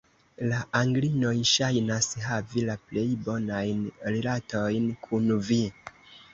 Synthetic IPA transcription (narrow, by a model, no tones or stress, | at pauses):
laʔaŋɡlino̞jʃajnasɦavilaple̞jbo̞najnliɾato̞jnkʰunvi